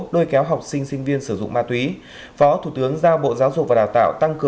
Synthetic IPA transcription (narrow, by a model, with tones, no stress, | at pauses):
ɗo˧jkɛ˨˦wɦa˨˩wk͡p̚sï˧ŋ̟sï˧ŋ̟vi˧ənsɨ˧˩zʊ̰˧˨ŋ͡mmaː˧t̪wi˨˦ | fɔ˨˦t̪ʰu˧˩t̪ɨ˨˦əŋzaː˧ɓo̰˧˨zaː˨˦wzʊ˨˩k̚vaː˨˩ɗaː˨˩wt̪a̰ː˧˨wt̪a˧ŋkɨ˨˩